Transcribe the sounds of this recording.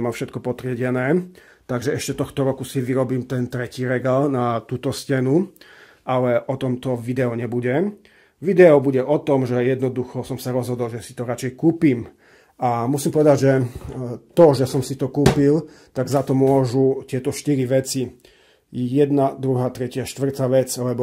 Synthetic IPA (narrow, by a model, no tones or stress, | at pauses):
mamfʃɛt̪kɔpɔt̪ɾɪɛɟɛnɛː | t̪aɡʒɛɛʃcɛt̪ɔxt̪ɔɾɔkusiʋiɾɔbiːmt̪ɛnt̪ɾɛciːɾɛɡaːlnat̪uːt̪ɔscɛnu | ʔalɛʔɔt̪ɔmt̪ɔʋid̪ɛɔɲɛbuɟɛ | ʋid̪ɛɔbuɟɛʔɔt̪ɔmʒɛjɛd̪nɔd̪uxɔsɔmsaɾɔzɦɔd̪ɔlʒɛsi̥t̪ɔɾat͡ʃɛjkuːpiːm | ʔamusimpɔʋɛd̪aɟʒɛ | t̪ɔʒɛsɔmsit̪ɔkuːpil | t̪aɡzat̪ɔmʊɔʒut̪ɪɛt̪ɔʃt̪iɾiʋɛt͡si | jɛd̪nad̪ɾuɦaːt̪ɾɛcɪaʃt̪ʋr̩t̪aʋɛt͡slɛbɔ